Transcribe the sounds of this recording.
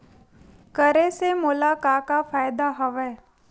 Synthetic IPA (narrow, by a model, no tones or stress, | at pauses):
kəɾesemʊlakaːkafaːɪd̪aɦəʋɛː